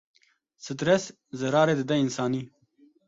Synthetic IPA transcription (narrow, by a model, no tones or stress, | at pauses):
sət̪ɾes | zɐɾɑːɾed̪ed̪ɐɪnsɑːni